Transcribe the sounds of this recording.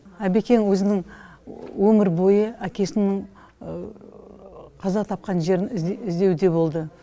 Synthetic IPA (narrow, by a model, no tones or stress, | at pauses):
æbe̞kʲe̞ŋwɵzɪnɪŋ | wɵmɪɾbo̞jəækʲe̞sɪnɪɴ | qʰɑzɑt̪ʰɑp̚qɑnʒe̞ɾɪnɪzd̪e̞wd̪e̞bo̞lˠd̪ə